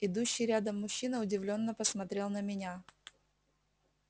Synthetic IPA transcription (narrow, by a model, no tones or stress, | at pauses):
ɪd̪uɕːɪjɾʲad̪əmːʊɕːinəʊdʲɪvlʲo̞nːəpəsmɐt̪ɾʲe̞lˠnəmʲɪnʲa